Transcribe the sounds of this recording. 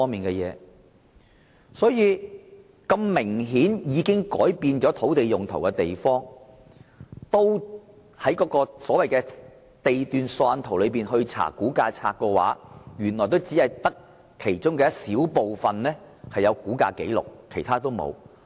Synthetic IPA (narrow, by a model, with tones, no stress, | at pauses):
ɔː˥ŋmiː˨nkɛː˧jɛː˨˧ | sɔː˨˥jiː˨˧ | kɐ˧mmɪ˨˩ŋɦiː˨˥njiː˨˧kɪ˥ŋkɔː˨˥jpiː˧nt͡ʃɔː˨˥t̪ʰo˨˥wt̪e˨jjʊ˨˩ŋt̪ʰo̰˨˩wkɛ˧t̪e˨jfɔː˥ŋ | t̪o˥w | hɐ˨˥jkɔː˨˥kɔː˧sɔː˨˥wɐ˨jkɛː˧ | t̪e˨jt̪yː˨˧nsɔː˧nt̪ʰo˨˩wlɵ˨˧piː˨nhɵ˧ɥt͡sʰa̰ː˨˩kuː˨˥kaː˧t͡sʰa̰ː˧kːɔː˧wa̰ː˨˥jyː˨˩nlɔː˨˩t̪o˥wt͡siː˨˥hɐ˨jt̪ɐ˥k̚ʰː | e˨˩jt͡ʃʊ˥ŋkɛː˧siː˨˥wpo˨wfɐ˨nlɛː˥ | hɐ˨jɐ˨˧wkuː˨˥ka̰ː˧ke˨˥jlʊ̰˨˩k̚ʰːe˨˩jt̪ʰaː˥t̪o˥wmo̰˨˧w